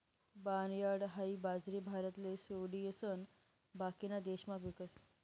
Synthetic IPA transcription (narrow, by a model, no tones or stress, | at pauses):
banjaɽɦaibad͡zɾibʱaɾət̪lesoɽijəsən | bakinad̪eɕmaʋikəs